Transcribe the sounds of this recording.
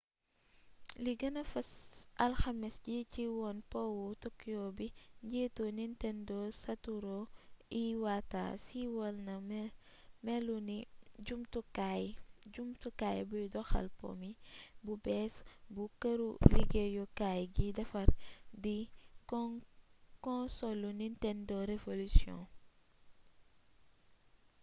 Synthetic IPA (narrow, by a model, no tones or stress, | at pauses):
liɡɐnɐfɐsʔɐlxɐmisɟiciwɔnpɔwɔtɔkːjɔːbiɲɟɛːtonintɛndɔsɐtuɾɔiwata̰ːsiwɔlnɐm | mɛluniɟumtukajɟumtukaːjbujdɔxɐ̰lpɔ̰mibubɛːsbukɐɾuliɡejɔkajɡidɐfɐɾdik | kɔ̃sɔlːunintɛndɔɾevolusjɔ̰̃